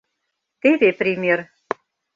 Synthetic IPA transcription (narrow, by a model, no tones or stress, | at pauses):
t̪eβepɾʲimʲer